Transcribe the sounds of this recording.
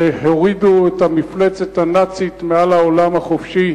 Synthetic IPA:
hoʁiduetamiflet͡set̪hanat͡sit̪mealaolamhaχofʃi

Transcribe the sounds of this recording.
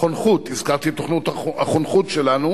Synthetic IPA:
onχut̪izkaʁt̪it̪oχnut̪aaχonχutʃelanu

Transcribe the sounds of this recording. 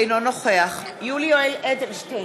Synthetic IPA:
jnonoχeaχ | julioeled̪elʃt̪e

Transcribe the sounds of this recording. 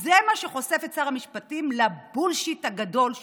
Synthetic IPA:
zemaʃeχo̞se̞fetsaʁamiʃpatimlabulʃithaɡado̞l

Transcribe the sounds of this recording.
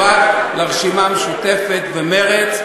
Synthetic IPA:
alaʁʃimameʃut̪e̞fet̪veme̞ʁet͡s

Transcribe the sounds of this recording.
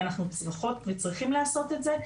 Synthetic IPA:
anaχnut͡sʁaχo̞tvet͡sʁiχimleaso̞tetze

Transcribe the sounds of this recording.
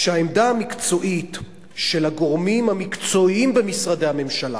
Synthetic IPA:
ʃehaemd̪aamikt͡so̞ʔit̪ | ʃelhaɡoʁmimhamikt͡so̞imbemisʁadehame̞mʃala̰

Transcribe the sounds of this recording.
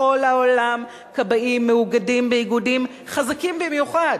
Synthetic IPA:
o̞lhaolam | kabaʔimːeuɡadimbejiɡudim | χazakimbimjuχad

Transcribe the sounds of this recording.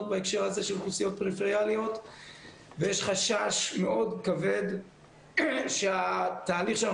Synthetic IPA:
t̪̚baekʃe̞ʁhaze̞ʃelχusijo̞t̪̚pʁifeʁialijo̞t̪ | vejeʃχaʃaʃme̞ʔo̞d̪kave̞d̪ | ʃeat̪aːliχʃea

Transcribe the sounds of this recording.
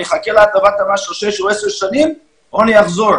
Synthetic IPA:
iχakelaat̪avat̪amaʃlʃeʃuɛseʃanim | onijaχzoɾ

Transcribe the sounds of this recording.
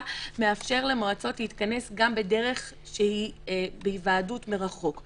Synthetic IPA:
meafʃe̞ʁle̞maʁat͡so̞tliitkane̞sɡambede̞ʁe̞χ | ʃehibeivaːdutmeʁaχo̞k

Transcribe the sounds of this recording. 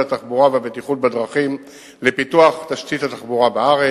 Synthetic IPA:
at̪aχbuʁaveabet̪iχut̚bad̪ʁaχim | lepit̪uaχt̪aʃtitat̪aχbuʁabeaʁe

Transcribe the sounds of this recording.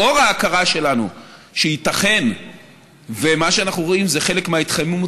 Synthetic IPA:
o̞ʁaːkaʁaʃe̞lanu | ʃeit̪aχe̞n | vemaʃeanaχnuʁo̞imzeχe̞lekmeait̪χajmumo

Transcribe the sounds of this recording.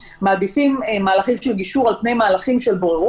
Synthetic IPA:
maːd̪ifimmaːlaχimʃelɡiʃuʁalpne̞jmaːlaχimʃelboʁeʁ

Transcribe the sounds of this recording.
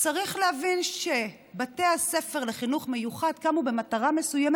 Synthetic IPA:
t͡saʁiχlehavinʃe̞ | batease̞feʁleχinuχme̞juχad̪kamube̞mataʁame̞sujam

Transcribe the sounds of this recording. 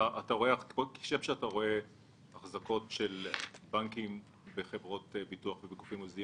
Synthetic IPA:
aʔataʁo̞eakki̥ʃemʃeataʁo̞e | aχzako̞tʃelbaŋkim | beχevʁo̞tbituaχvebekufimuzii

